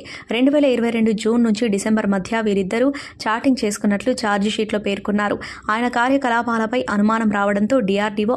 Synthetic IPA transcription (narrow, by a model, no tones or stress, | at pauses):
ɾe̞ɳɖuʋɛːlɐiɾɐʋɐjɾe̞ɳɖud͡ʒuːnːuɲt͡ʃiɖisembɐɾmɐd̪ʱjɐʋiːɾid̪ːɐɾu | t͡ʃaːɾʈiŋɡt͡ʃe̞ːsu̥kunːɐʈlut͡ʃaːɾd͡ʒʃiːʈlo̞ːpe̞ːɾkunːaːɾu | aːjɐnɐkaːɾjɐkɐlaːpaːlɐpɐjʔɐnumaːnɐmɾaːʋɐɽɐnt̪o̞ːɖijaːɾɖiʋoː